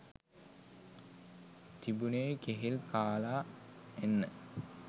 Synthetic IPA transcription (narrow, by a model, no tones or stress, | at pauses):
t̪ibuneːkeɦilkaːlaːenːə